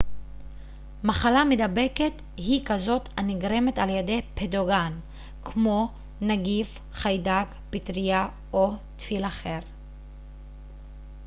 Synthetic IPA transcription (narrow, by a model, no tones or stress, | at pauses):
maχalamed̪abe̞ket | hikazo̞thaniɡʁe̞me̞taljede̞jpedoɡan | kʰmo̞ | naɡif | χajdaɡ | pitʁija | ot̪filaχe̞ʁ